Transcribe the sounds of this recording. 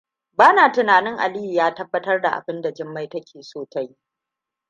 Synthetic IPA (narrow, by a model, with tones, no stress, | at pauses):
baː˦naː˨tɪ˨naː˨nɪ˦ŋʔa̰˨liː˦ji˨jaː˦tɐ˦bːɐ˦tɐ˦rda̰˨ʔa̰˨bɪ˦nda˨d͡ʒɪ˦mːa˦jtɐ˦kʲeː˨soː˦ta˦jiː˦